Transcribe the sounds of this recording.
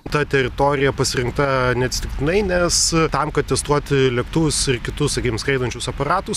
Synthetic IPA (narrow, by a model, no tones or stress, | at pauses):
t̪ɐt̪ʲɛɾʲɪt̪oːɾʲɪjɛpɐsʲɪɾʲɪŋk̚t̪ɐnʲɛt̪sʲt̪ʲɪkt̪ʲɪnɐɪnʲɛst̪ɐmkɐt̪̚t̪ʲɛst̪uɔt̪ʲlʲɛkt̪ʊʋʲʊsɪrkʲɪt̪ʊssɐkʲiːkʲɪmskɐɪd̪ɐnʲt͡ʃʲʊsɐpɐɾɑːt̪ʊs